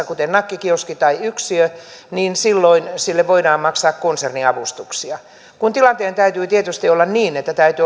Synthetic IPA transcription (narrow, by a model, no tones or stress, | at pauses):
kut̪ennɑkːikioskit̪ɑiyksiøniːnsilːoinsilːeʋʋoidɑːmmɑksɑːkkonserniɑʋust̪uksiɑ | kunt̪ilɑnt̪eːnt̪æyt̪yːt̪iet̪yst̪iolːɑnniːnet̪ːæt̪æyt̪y